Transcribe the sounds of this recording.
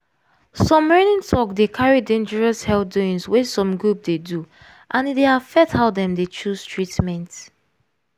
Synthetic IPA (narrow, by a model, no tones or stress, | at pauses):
sɔ̃mɹɛnĩntʰɔkdekʰaɹidẽnd͡ʒəɹɔshɛlduĩnswɛsɔ̃mɡɹup̚dedu | ʔãndeafɛthaʊðɛ̃mdet͡ʃuz̥tʰɹitmɛ̃nt